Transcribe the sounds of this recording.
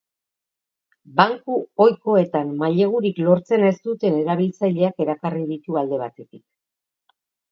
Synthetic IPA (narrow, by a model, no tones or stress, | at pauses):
baŋkuo̞jko̞e̞t̪amːaʎe̞ɣ̞uɾiklo̞ɾt͡se̞ne̞st̪ut̪e̞ne̞ɾaβ̞ilt͡saʎe̞ake̞ɾakariðit̪uald̪e̞β̞at̪e̞t̪ik